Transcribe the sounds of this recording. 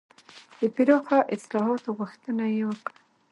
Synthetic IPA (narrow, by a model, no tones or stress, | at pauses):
d̪̥əpɪɾɑxaʔɪslɑɦɑt̪oɣuxt̪ənajewəkɽa